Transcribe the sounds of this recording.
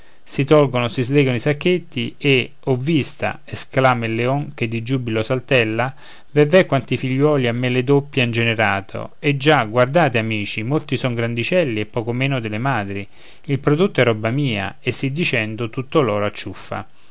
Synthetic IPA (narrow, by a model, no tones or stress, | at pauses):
sit̪ɔlɡonʊsizlɛːɡonoisakːet̪ːie | ɔvːist̪a̰ | esklaːmelːeɔŋk̟ed̪ːid͡ʒubilosalt̪ɛlːa | vɛvɛkːwant̪ifiʎːwɔːliamːeled̪opːjeind͡ʒeneɾaːt̪ʰo̰ed͡ʒːaɡward̪aːt̪eamiːt͡ʃimolt̪isɔŋɡɾand̪it͡ʃɛlːiepːɔːkomeːnʊd̪elemaːd̪ɾi | ilpɾod̪ot̪ːoɛrːɔbːamiːa̰esːid̪ːit͡ʃɛnd̪ot̪ut̪ːolɔːɾoat͡ʃːufːa̰